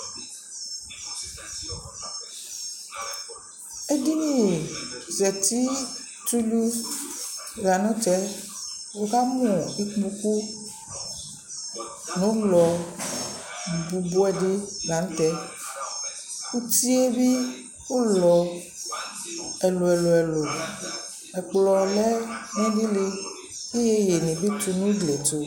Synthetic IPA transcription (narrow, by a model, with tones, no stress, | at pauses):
e˦di˦nĩ˨ | zɛ˨t̪i˦ | tɾi˦lu˦ | ɣa˨nɔ̃˦t͡ʃɛ˦ | wo˦ka˦mɔ̃˨i˦k͡pmũ˦ku˦ | nũ˨˦lɔ˨ | bu˨bo˦ɛ˨de˦ɡa˨n̩˦t̪ɛ˨˦ | ku˦ti˦e˦bi˦ | wo˦lɔ˨ | ɛ˨lo˨ɛ˨lo˨ɛ˨lo˨ | ɛ˨k͡plɔ˨lɛ˦nɛ̃˦di˦le˧ | e˦je˦je˨nĩ˨bi˦tu˧nũ˦ɡle˨to˨